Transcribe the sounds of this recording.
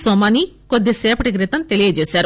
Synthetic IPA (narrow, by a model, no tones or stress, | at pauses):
somaːnikod̪ːeseːpɐʈikɾit̪ɐmt̪e̞lijɐd͡ʒeːsaːɾu